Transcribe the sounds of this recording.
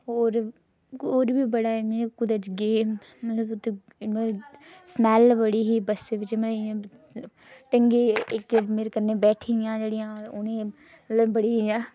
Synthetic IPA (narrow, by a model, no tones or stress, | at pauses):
ɦoːɾ | oːɾbiːbəɽaːeɡikʊd̪əd͡ʒɡeːmː | ət̪ləbt̪ːe | ɾsmɛːlbəɽiːɦiːbəseʋɪt͡ʃməã | ʈəŋɡeːɪkmeːɾekəɾneːbɛːʈʰiɪjãːd͡ʒeːɽɪjãːʊnẽː | mət̪ləbbəɽiːɦiːãː